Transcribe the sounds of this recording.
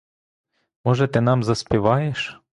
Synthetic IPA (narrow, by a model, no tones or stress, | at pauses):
mɔʒɛt̪ɪnɑmzɐspɪʋɑjeʃ